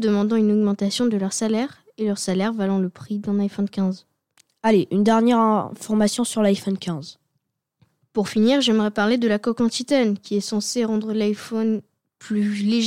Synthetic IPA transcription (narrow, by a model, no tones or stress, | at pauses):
d̪əmɑ̃d̪ɑ̃ynɔɡmɑ̃t̪asjɔ̃d̪əlœʁsalɛʁ | elœʁsalɛʁvalɑ̃ləpχid̪ɛ̃najfɔnkʲɛ̃z | aleʔynd̪ɛʁnjɛʁɛ̃fɔʁmasjɔ̃syʁlajfɔnkʲʰɛ̃z | puʁfiniʁʒɛmʁɛpaʁled̪əlakɔkɑ̃t̪it̪ɛnkʲʰiɛsɑ̃seʁɑ̃d̪ʁəlajfɔn | plyleʒ